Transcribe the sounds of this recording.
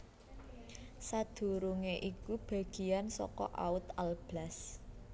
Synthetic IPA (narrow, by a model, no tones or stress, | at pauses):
sad̪̥ṳɾuŋeʔikub̥a̤ɡ̥i̤ansɔ̰kɔ̰ʔa̰ʊt̪alb̥las